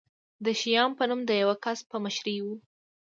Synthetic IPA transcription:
d̪əʃijɑmpənumd̪əjawakaspəmaʃɾiwu

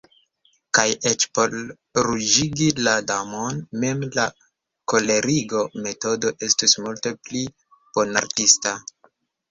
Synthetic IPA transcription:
kaje̞t͡ʃpo̞l | ɾud͡ʒiɡiladamo̞nme̞mla | ko̞le̞ɾiɡo̞me̞to̞do̞ʔe̞stismulte̞pli | b̥ona̰ɾtista

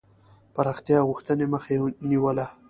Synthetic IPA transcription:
paɾɑxt̪jɑɣuxt̪əneməxeniwəla

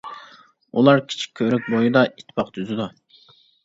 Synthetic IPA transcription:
ulˠɑɾkʲʰi̥t͡ʃʰi̥k̚ʲʰːøɾɛk̚ʲbojud̪ɑʔit̪ʰpʰɑqt̪ʰyzyd̪u

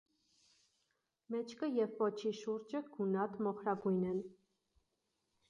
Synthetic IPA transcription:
mɛt͡ʃʰkəjɛvpɔt͡ʃʰiʃuɾd͡ʒəɡ̥unɑt̪mɔχɾɑɡujnɛn

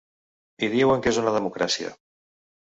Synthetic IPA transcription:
iðieweŋkezunaðəmukɾasia̰

